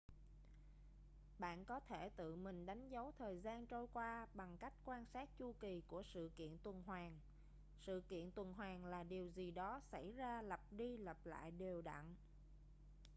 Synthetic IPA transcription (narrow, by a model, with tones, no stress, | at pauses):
ɓa̰ː˧˨nkɔ˨˦t̪ʰe˧˩t̪ɨ̰˧˨mï˨˩ŋ̟ɗa˨˦jŋ̟zə˨˦wt̪ʰəː˨˩jzaː˧nt͡ɕo˧jkwaː˧ɓa˨˩ŋka˦˥jk̟̚kwaː˧nsaː˦˥t̚t͡ɕu˧ki˨˩ku˧˩əsɨ̰˧˨kḭ˧˨ənt̪wə˨˩nɦwaː˨˩ŋ | sɨ̰˧˨kḭ˧˨ənt̪wə˨˩nɦwaː˨˩ŋlaː˨˩ɗi˨˩əwzi˨˩ɗɔ˨˦sa˧˩jzaː˧lə˨˩p̚ɗi˧lə˨˩p̚la̰ː˧˨jɗe˨˩wɗa̰˧˨ŋ